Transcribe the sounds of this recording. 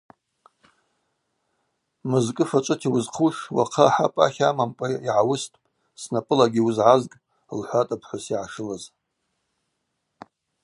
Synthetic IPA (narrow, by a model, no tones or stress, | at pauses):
mɨzkʼɨfat͡ʃʷʼɨtʰiwʊzqʰuʂwa̰qʰaħa̰pʼa̰χʲamampʼaiʕawʊstʰʼpʼ | snapʼɨlaɡʲiwʊzʕazkʼ | lħʷatʼapʰħʷasiʕaʂɨlaz